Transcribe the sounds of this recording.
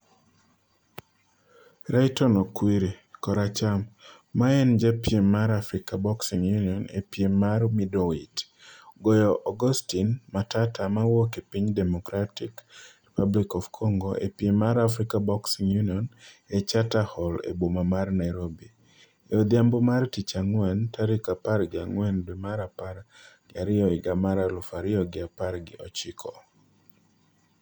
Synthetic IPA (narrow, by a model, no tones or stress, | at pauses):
ɾajtɔnɔkwiɾekɔɾat͡ʃamː | aɛnd͡ʒepjemːaɾafɾikabɔksiŋjuniɔnḛpjemːarmidɔwit | ɡɔjɔʔɔɡɔstinmatatamawɔkepiɲdɛmɔkɾatikripablikɔvkʰɔŋɡoʔḛpjemaɾafɾikabɔksiŋjuniɔnet͡ʃatahɔlḛbomamarnajɾobi | eod̪jambomartit͡ʃaŋwɛntʰaɾikaparɡɪa̰ŋwɛndwimaɾapaɾɡ̥ɪaɾɪɔɪɡamaɾalʊfaɾɪɔɡɪaparɡɪ̰ʔɔt͡ʃɪkʰɔ